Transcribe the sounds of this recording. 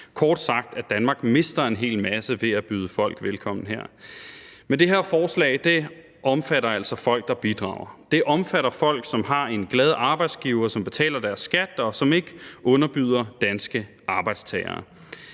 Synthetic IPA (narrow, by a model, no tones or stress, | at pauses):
kʰɒːd̥sɑ̈ɡ̥̚d̥æd̥ænmɑ̈ɡ̥me̝sd̥ɐe̝nɦe̝̰ːlmæsəʋe̝æb̥yːð̞ˠəfɒ̽l̰ɡ̥ʋelkʰɒ̽m̰n̩ɦeɐ̰ | med̥e̝ɦe̝ɐ̰fɒːslɛ̰ːɪd̥e̝ | ʔɒ̽mfæɾɐæl̰sɒ̽fɒ̽l̰ɡ̥̚d̥ɑ̈b̥id̥ʁɑ̰̈ːʊ̰ɐd̥e̝ʔɒ̽mfæɾɐfɒ̽l̰ɡ̥sɒ̽mɦɑ̈e̝nɡ̥lɛːð̞ˠəʔɑ̈ːb̥ɑ̈ɪd̥sɡ̥iːʊɐːsɒ̽mb̥e̝t͡sʰɛ̰ːlɐd̥æɐsːɡ̥æd̥ɒ̽sɒ̽me̝ɡ̥əʔɔ̽nɐb̥yð̰ˠɐd̥ænsɡ̥ə | ʔɑ̈ːb̥ɑ̈ɪd̥st͡sʰɛɪɐ̰ː